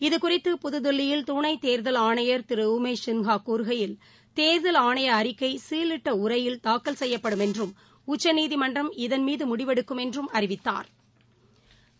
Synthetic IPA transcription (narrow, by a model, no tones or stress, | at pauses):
ɪðɯkʊrɪt̪ːɯpʊðɯðɔɭːɪjɪlt̪uɳɐɪt̪eːɾðɐlaːɳɐjɐɾt̪ɪɾɯumeːʂɪŋɣaːkːuːɾɣɐjɪl | t̪eːɾðɐlaːɳɐjɐːɾɪkːɐɪsiːlɪʈːɐʊrɐjɪlt̪aːkːɐlsɛjːɐpːɐɽɯmɛndrɯm | ʊt͡ʃːɐniːðimɐndrɐmɪðɐnmiːðɯmʊɽɪʋɛɽɯkːɯmɛndrɯmɐɾɪʋɪt̪ːa̰ːɾ